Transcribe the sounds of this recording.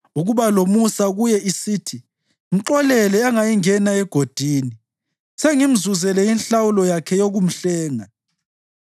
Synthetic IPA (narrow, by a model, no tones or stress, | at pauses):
uɣuβalomusaɣujɛisiːtʰi | m̩ǁɔlɛlɛaŋajiŋɛnaɛɡ̥ʱod̥ʱiːni | seŋim̩zuzɛlɛjinɬawulɔjakʰɛjoɣum̩ɬɛːŋa